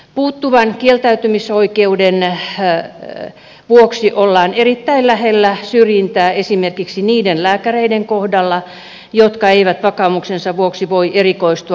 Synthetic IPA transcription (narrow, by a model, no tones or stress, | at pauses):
puːt̪ːuʋɑnkielt̪æyt̪ymisoikeuden | ʋuoksiʔolːɑːnerit̪ːæillæhelːæsyrjint̪æːesimerkiksiniːdenlæːkæreideŋkohdɑlːɑ | jot̪kɑeiʋæt̪ʋɑkɑːmuksensɑʋuoksiʋoiʔerikoist̪u